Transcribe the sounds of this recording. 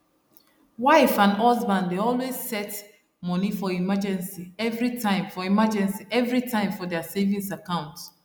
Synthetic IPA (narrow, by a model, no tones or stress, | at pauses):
waɪfãndɔzbãndeɔlwez̥sɛt | mɔnifɔimad͡ʒɛ̃nsiɛvɹitʰãɪ̃mfɔimad͡ʒɛ̃nsiʔɛvɹitʰãɪ̃mfɔdasevĩŋsakãʊ̃nt